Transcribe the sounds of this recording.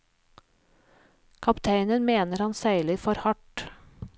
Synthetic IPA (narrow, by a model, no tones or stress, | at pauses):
kʰɑpt̪ʰæɪnənmeːnəɾhɑnsæɪləfɔɾhɑʈ